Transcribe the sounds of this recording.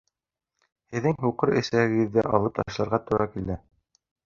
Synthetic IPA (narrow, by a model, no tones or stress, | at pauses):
hɘ̆ðːɘŋɦuqɤɾɘ̆sæhɘ̆ɡɘ̆ðːɘʔɑ̰lˠɤp̚t̪ɑʃlˠɑɾʁɑt̪ɵ̆ɾɑkild̪ɘ